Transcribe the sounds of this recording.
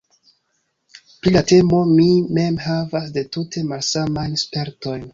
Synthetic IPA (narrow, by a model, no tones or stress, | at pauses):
pɾilate̞momime̞mɦavasde̞tutʰe̞malsamajnspe̞ɾto̞jn